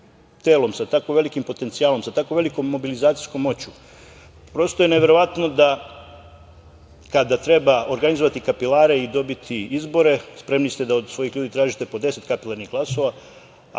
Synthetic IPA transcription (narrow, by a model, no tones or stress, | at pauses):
t̪e̞ːlo̞msat̪akoʋe̞likimpo̞t̪ent̪siaːlo̞msat̪akoʋe̞liko̞mːo̞bilizaːt̪si̥jsko̞mːo̞t͡ɕu̥ | pɾo̞st̪ojeneʋe̞ɾo̞ʋat̪no̞d̪a | kad̪at̪ɾe̞bao̞ɾɡanizoʋat̪ikapilaːɾe̞id̪o̞bit̪ʰiizbo̞ɾe̞spɾe̞mnist̪ed̪aod̪sʋo̞jixlʎuːd̪it̪ɾaːʒit̪e̞po̞d̪e̞se̞t̪kapilˠaɾnixɡlˠaso̞ʋa